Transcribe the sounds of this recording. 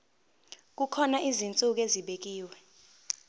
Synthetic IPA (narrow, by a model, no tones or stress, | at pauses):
k̬ukʰɔnaʔizint͡sʼuk̬eziɓek̬iːwɛ